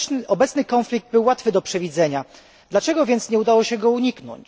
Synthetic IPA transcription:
ʔɔbɛt̪snɘkɔnflʲiɡ̚d̪̚bɘwːat̪fɘd̪ɔpʂɛvʲid̪zɛɲa | d̪lat͡ʂɛɡɔvʲjɛnt̪sɲɛud̪awɔɕɛɡɔuɲiknɔ̰ɲt͡ɕ

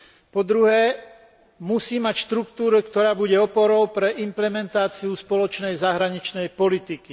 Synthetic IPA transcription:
pɔd̪ɾuɦɛː | musiːmacʃt̪ɾukt̪uːɾukt̪ɔɾaːbuɟɛɔpɔɾɔʊpɾɛʔimplɛmɛnt̪aːt͡siuspɔlɔt͡ʃnɛjzaɦɾaɲit͡ʃnɛjpɔlit̪iki

